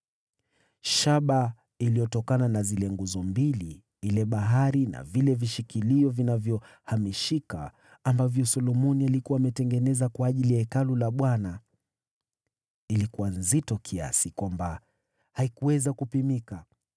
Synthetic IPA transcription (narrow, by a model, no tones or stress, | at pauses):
ʃaɓa | ilijɔtɔkananazilɛŋɡuzɔmbili | ilɛɓaɦaɾina̰vilɛviʃikiliɔvinavjɔ | hamiʃika̰ː | mbavjɔsɔlɔmɔnialikuwaːmɛtɛŋɡɛnɛzakwaːʄilijaɛkalulaɓwana | ilikuwanzitɔkʰia̰sikwamba | haikuwɛzakupimika